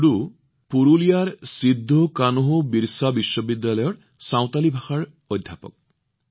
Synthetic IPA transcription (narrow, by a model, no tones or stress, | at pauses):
ɽu | puɹulijaɹsid̪ʱːɔkanuɦubiɹsabiʃːɔbid̪ːalɔjɔɹ | sãw̃t̪alibʱaxaɹ | ɔjd̪ʱːapɔ̰k̚